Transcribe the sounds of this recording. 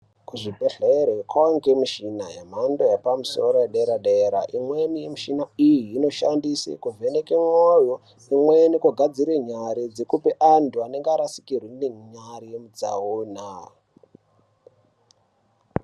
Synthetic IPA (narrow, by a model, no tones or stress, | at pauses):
kuʐibʱeɬeɾekʰwaŋɡemuʃinajḛm̤andojapamuso̞ɾojeɗeɾaɗeɾa̰ʔimwenijemuʃinaijiːno̞ʃandisḛkuvʱe̞nekemojo | imwenikoɡʱad͡ziɾeɲaɾid͡zekupeʔantuane̞ŋɡaɾasi̥kirwineɲarijemud͡za̰oːna